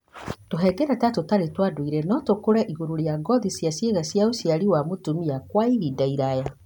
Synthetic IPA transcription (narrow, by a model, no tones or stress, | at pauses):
toɦɛɡɛɾatatotaɾetwadoiɾɛnɔtokoɾɛʔiɣoɾoɾjaɡɔðisjasjeɣasjaosiaɾiwamotumiakwaiɾidaiɾaja